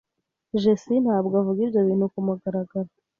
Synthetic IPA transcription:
ʒesin̥haːbɡoavuɡiɾɟoβiːn̥hukumuɡaɾaɡaɾa

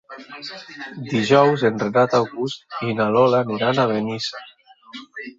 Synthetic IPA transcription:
d̪iʒɔwzenrenat̪awɣust̪inalɔlaniɾanaβenisa

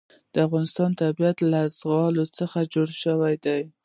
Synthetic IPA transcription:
d̪̥əafɣɑnɪst̪ɑnt̪abijat̪lazɣɑlot͡səxad͡ʒoɽʃəwajd̪aj

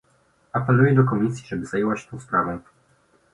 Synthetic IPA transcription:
apɛlujɛd̪ɔkɔmʲisʲjiʐɛbɘzajewat͡ɕt̪ɔ̃w̃spɾavɔ̃w̃

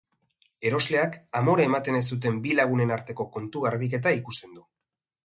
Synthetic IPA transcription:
e̞ɾo̞zle̞akamo̞ɾae̞mat̪e̞nes̬t̪ut̪̬e̞mbilaɣ̞une̞naɾt̪e̞ko̞ko̞nt̪uɣaɾβ̞ike̞t̪aikust̪e̞nd̪u

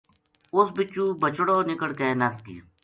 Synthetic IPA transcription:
ʊsbɪt͡ʃːuːbət͡ʃɽoːnɪkəɽkeːnɐskḭ

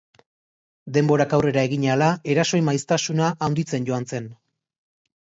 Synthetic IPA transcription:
d̪e̞mbo̞ɾakawre̞ɾaeɣiɲalae̞ɾaso̞jmajst̪asunaʔawnd̪it͡se̞nɟo̞ant͡se̞n

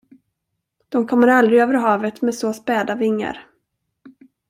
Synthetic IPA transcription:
d̪̥ɔmkʰɔmːəɾald̪ɾɪøːvəɾɦɑːvət̪mɛsoːspɛːd̪avɪŋːə̰ɾ

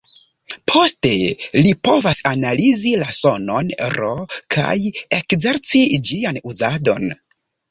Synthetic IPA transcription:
pʰo̞ste̞lipo̞vasanalizilaso̞no̞nɾo̞kʰa̰je̞kze̞ɾt͡sid͡ʒianuzado̞n

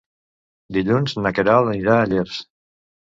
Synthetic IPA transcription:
d̪iʎunznakeɾaləniɾaːʎiɾs

